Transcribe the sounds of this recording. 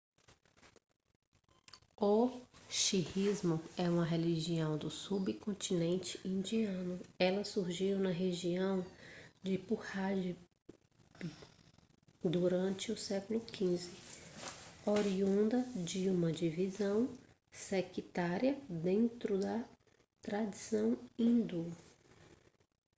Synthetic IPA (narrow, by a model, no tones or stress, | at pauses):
oʃihizmʊɛũmɐɦeliʒiɐ̃w̃d̪ʊsubɪkõnt̪inẽnt͡ʃɪ̥ĩnd͡ʒiɐ̃nʊɛlɐsuɾʒiwnɐɦeʒiɐ̃w̃d͡ʒɪpuhaʒɪ | d̪uɾɐ̃nt͡ʃɪʊsɛkʊlʊkʰĩzɪ | oɾiũnd̪ɐd͡ʒɪũmɐd͡ʒivizɐ̃w̃ | sekit̪aɾjɐd̪ẽnt̪ɾʊd̪ɐ | t̪ɾad͡ʒisɐ̃w̃ĩd̪u